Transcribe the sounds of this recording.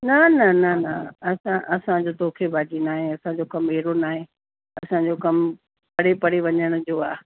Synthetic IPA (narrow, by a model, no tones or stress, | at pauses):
nɐnɐnɐnɐɐsãʔɐsãd͡ʑot̪oːkʰebʱaːd͡ʑinaːɦẽɐsãd͡ʑokɐmeːɾonaːɦẽ | ɐsãd͡ʑokɐm | pɐɽepɐɽeʋɐɲəɽ̃ʊd͡ʑoːaː